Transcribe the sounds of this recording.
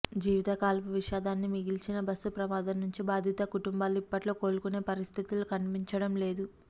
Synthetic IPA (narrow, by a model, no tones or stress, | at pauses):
d͡ʒiːʋit̪ɐkaːlpuʋiʃaːd̪aːnːimiɡilt͡ʃinɐbɐsːupɾɐmaːd̪ɐmnuɲt͡ʃibaːd̪ʱit̪ɐkuʈumbaːlːuipːɐʈlo̞ːko̞ːlukune̞ːpɐɾist̪ʰit̪ulukɐɳpiɲt͡ʃɐɽɐmle̞ːd̪u